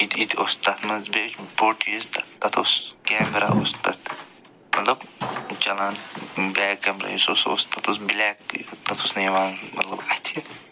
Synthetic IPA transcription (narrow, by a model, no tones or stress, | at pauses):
it̪ʰit̪ʰost̪ɐt̪mɐnzbet͡ʃboʈist̪ɐ̥t̪ɐt̪ʰoskeːmɾa̰ʔost̪ɐ̰t̪ | mɐt̪lɐbt͡ʃɐlaːnbɛːkːɛːmɾa̰jisoso̰st̪ɐt̪ʰosbilɛːkt̪ɐt̪ʰosnɐjʋaːnmɐ̰t̪lɐbɐt̪ʰi